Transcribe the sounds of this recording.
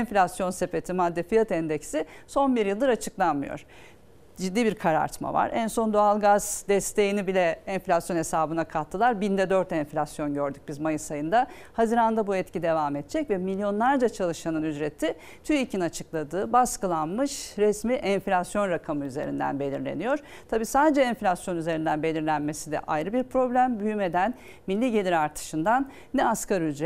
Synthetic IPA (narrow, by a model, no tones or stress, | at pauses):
ɛnflʲasjo̞nse̞fe̞t̪ʰimad̪ːefijat̪ɛnd̪ɛcsiso̞nbiɾjɯlˠd̪ɯɾat͡ʃʰɯklˠanmɯjo̰ɾ̥ | d͡ʒid̪ːiːbiɾkʰaɾa̰ɾt̪ʰma̰va̰ɾænso̞nd̪oalˠɡaz̥d̪ɛst̪ʰe̞jinibilʲɛɛɱflʲasjo̞nesaːbɯnakʰat̪ʰːɯlˠaɾbind̪ɛd̪øɾt̪ɛnflʲasjo̞nɟøɾd̪yc̚bizmajɯsajɯnd̪a | haziɾannd̪abuɛt̪cʰid̪e̞vaːmɛt̪̚t͡ʃʰɛcvɛmilʲjo̞nlˠaɾd͡ʒat͡ʃʰalˠɯʃanɯnyzɾet̪ʰːi | t̪ʰyicinat͡ʃʰɯklˠad̪ɯːbaskɯlˠanmɯʃɾɛsmiʔɛnflʲasjo̞nɾakʰamɯyze̞̰ɾḭnd̪æ̰nbe̞lʲḭɾlʲḛnijo̞ɾ̥ | t̪ʰabiːsaːd̪ed͡ʒɛɛnflʲasjo̞nyze̞ɾind̪ænbe̞lʲiɾlʲænme̞sid̪ɛ̰ʔa̰jɾɯbiɾpɾo̞blʲæmbyjyme̞d̪æn | milːʲiɟe̞lʲiɾaɾt̪ʰɯ̥ʃɯnd̪anː | ɛaskaɾyzɾɛ